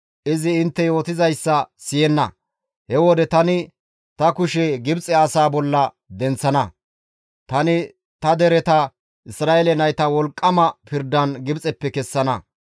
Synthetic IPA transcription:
ʔɪzɪːɪnt̪ːɛjo̞ːt̪ɪzɐjsːɐsɪjɛnːɐ | hɛwɔd̪ɛt̪ɐnɪ | t̪ɐkʊʃɛɡɪbt͡sʼɛɐsaːbɔlːɐ | d̪ɛnt͡sːɐnɐ | t̪ɐnɪ | t̪ɐd̪ɛɾɛt̪ɐ | ʔɪsɾaːelɛnɐjt̪ɐwɔlkʼːɐmɐfɪɾd̪ɐnɡɪbt͡sʼɛpːɛkɛsːɐnɐ

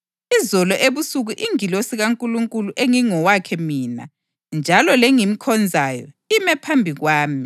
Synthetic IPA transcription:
izɔlɔʔeβusuɣuʔiŋilosiɣaŋkʼuluŋkʼuluʔeŋiŋɔwakʰɛmiːna̰ | nd͡ʒʱalɔleŋim̩kʰɔnd͡zʱajɔ̰ | imɛpʰambʱiɣwaːmi

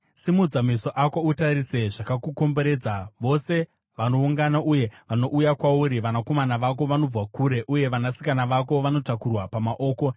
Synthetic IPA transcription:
simud͡zamisoʔako̞utaɾise̞ʐakakuko̞mbe̞ɾe̞ːd͡zaʋo̞se̞ | ʋano̞uŋɡanaʔuje̞ʋano̞ʔujakwauɾiʋanako̞manaʋako̞ʋano̞b͡vwakuɾe̞ʔuje̞ʋanasikanaʋako̞ʋano̞takurwapamaʔo̞ːko̞

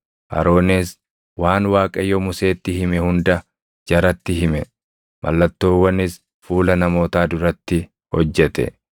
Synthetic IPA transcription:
ʔɐ̰ɾo̞ːneːs | waːnwaːkʼɐjɔmʊse̞ːt̪ːɪhɪmɛhʊnd̪ɐ | d͡ʒɐɾɐt̪ːɪɦɪmɛ | mʔɐ̰lːɐt̪ːo̞ːwːɐnɪs | fuːlɐnɐmo̞ːt̪aːd̪ʊɾɐt̪ːɪ | hɔd͡ʒːɛt̪ɛ̰

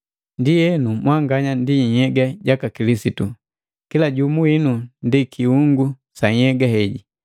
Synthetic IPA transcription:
ndijɛnumwʔaŋɡaɲandiɲɲɛɡaɟakakilisitu | kilaɟumuinundikʰiuŋɡu | saɲɛɡaɦɛɟi

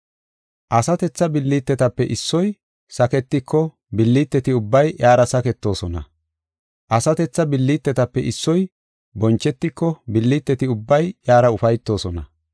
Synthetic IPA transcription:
ʔɐsɐt̪ɛt͡sːɐbɪlːit̪ːɛt̪ɐpːɛʔɪsːɔj | sɐkɛt̪ːɪkʰːɔ | bɪlːiːt̪ːɛt̪ɪʊbːɐjʔaːɾɐsɐkɛt̪ːo̞ːsɔnɐ̰ | ʔɐsɐt̪ɛt͡sːɐbɪlːit̪ːɛt̪ɐpːɛʔɪsːɔj | bɔnt͡ʃːɛt̪ːɪkːɔbɪlːit̪ːɛt̪ɪʊbːɐjjaːɾɐʊfɐjt̪ːo̞ːsɔnɐ̰

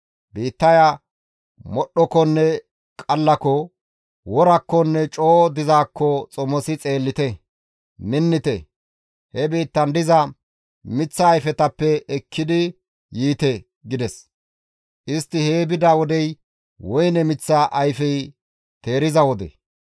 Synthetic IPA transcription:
biːt̪ːɐja | mɔɗːɔkːɔnːɛ | kʼɐlːɐkɔ | wɔɾɐkːɔnːɛt͡ʃʼo̞ːd̪ɪzaːkʰːɔt͡sʼɔmɔsɪt͡sʼe̞ːlːɪt̪ɛ | mɪnːɪt̪ɛ | hɛbiːt̪ːɐnd̪ɪzɐ | mɪt͡sːɐːjfɛt̪ɐpːɛɛkʰːɪd̪ɪ | jiːt̪ɛ | ɡɪd̪ɛs | ʔɪst̪ːɪheːbɪd̪awɔd̪ɛj | wɔjnɛmɪt͡sːaʔɐjfɛj | t̪eːɾɪzɐwɔd̪ɛ̰

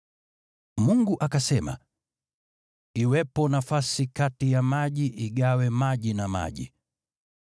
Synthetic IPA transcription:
muŋɡuʔakasɛma̰ | iwɛpɔnafasikatijamaʄiʔiɠawɛmaʄinama̰ʄḭ

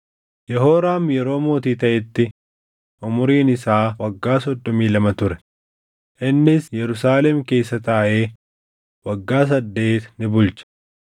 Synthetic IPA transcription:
jɛɦo̞ːɾaːmjɛɾo̞ːmoːt̪iːt̪ɐʔɪt̪ːɪ | ʔʊmʊɾiːnɪsaːwɐɡːaːsɔd̪ːɔmiːlɐmɐt̪ʊɾɛ̥ | ʔɪnːɪsjɛɾʊsaːlɛmke̞ːsːɐt̪ɐaːʔe̞ː | wɐɡːaːs̬ɐd̪ːe̞ːt̪nɪbʊlt͡ʃɐ̥

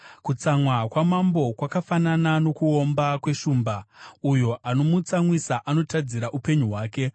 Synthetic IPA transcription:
kut͡samwakwamambo̞kwakafananano̞kuo̞mbakwe̞ʃuːmbaujo̞ʔano̞mut͡samwisaʔano̞tad͡ziɾaʔupe̞ɲuɦwaːke̞

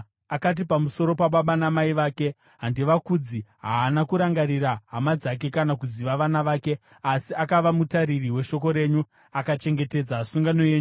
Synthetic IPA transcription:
akat̬ipamuso̞ɾo̞paɓaɓanamaiʋaːke̞ | ɦandiʋakud͡ziɦaːnakuɾaŋɡaɾiraɦamad͡zak̬e̞kanak̬uziʋaʋanaʋaːke̞ | asiakaʋamutaɾiriwe̞ʃoko̞ɾe̞ːɲu | akat͡ʃe̞ŋɡe̞te̞d͡zasuŋɡano̞je̞ːɲuu

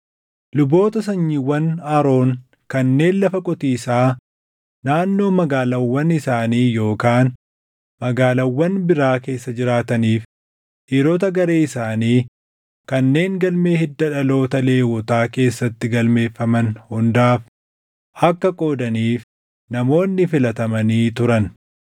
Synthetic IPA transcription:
lʊbo̞ːt̪ɐsɐɲːɪwːɐnaːɾo̞ːn | kɐnːe̞ːnlɐfɐkʼɔt̪iːsaː | naːnːo̞ːmɐɡaːlɐwːɐnɪsaːniːjo̞ːkaːn | mɐɡaːlɐwːɐnbɪɾaːke̞ːsːɐd͡ʒɪɾaːt̪ɐniːf | ʔiːɾoːt̪ɐɡɐɾeːɪsaːniː | kɐnːe̞ːŋɡɐlme̞ːhɪd̪ːɐᶑɐlo̞ːt̪ɐle̞ːwɔt̪aːke̞ːsːɐt̪ːɪɡɐlme̞ːfːɐmɐnhʊnd̪aːf | ʔɐkːɐkʼo̞ːd̪ɐniːf | nɐmo̞ːnːɪfɪlɐt̪ɐmɐniːt̪ʊɾɐn

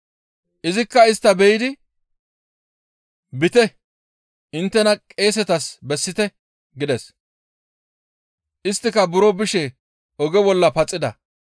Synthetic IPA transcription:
ʔɪzɪkːɐɪst̪ːɐbɛjɪd̪ɪ | bɪt̪ɛ | ɪnt̪ːɛnɐkʼe̞ːs̬ɛt̪ɐsbɛsːɪt̪ɛ | ɡɪd̪ɛs | ʔɪst̪ːɪkɐbʊɾɔbɪʃɛ | ɔɡɛbɔlːɐpɐt͡sʼːɪd̪ɐ̰

